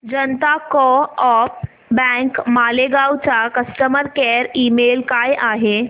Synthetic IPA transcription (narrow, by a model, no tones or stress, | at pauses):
d͡ʒənt̪akɔɔːp | bɛŋkmaːleɡaːwt͡ʃakəsʈəməɾkɛɾiːmeːlkajʔaːɦe